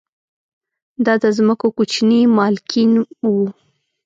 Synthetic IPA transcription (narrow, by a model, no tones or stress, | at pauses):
d̪ɑd̪əzməkokut͡ʃnimɑlkinwu